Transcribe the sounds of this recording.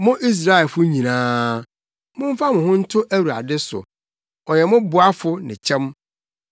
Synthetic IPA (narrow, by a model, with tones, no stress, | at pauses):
mʊ̃˦ʔi˦s̬ɾa˦ɛ˨fʊ˦ɲĩ˨nãː˦ | mʊ̃˦m̩˦fa˦mʊ̃˨hʊ̃˦n̩˦tʰʊ˦ʔæ˦wu˨a̰˨dɪ˦sʊ̰˨ | ɔ˨jɛ˨mʊ̃˦bʊ˨˦a˦fʊ˦nɪ̰̃˨t͡ɕʰɛ̃˦m